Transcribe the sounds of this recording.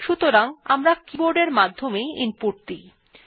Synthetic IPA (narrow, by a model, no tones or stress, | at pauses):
ʃut̪oɾaŋa̰mɾakiboɾɖeɾmad̪ʱːomeinpuɾ̚t̪i